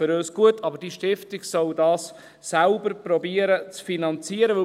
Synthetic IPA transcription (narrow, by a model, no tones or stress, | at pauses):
ʏɾøːsɡ̥uətʰɑbəɾd̥iʃtɪftiɡsɔldɑːsː | ælbəɾpɾɔbiəɾət͡sfinɑnt͡siəɾəʋɵ